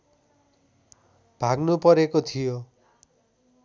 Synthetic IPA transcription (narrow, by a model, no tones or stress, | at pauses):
b̥ʱaɡnupʌɾekot̪ʰijo